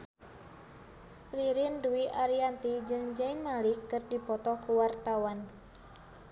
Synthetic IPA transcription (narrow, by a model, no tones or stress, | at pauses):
riɾinduiʔaɾiant̪id͡ʒɨŋd͡ʒainmalikːɨrdipɔt̪ɔkuwart̪awan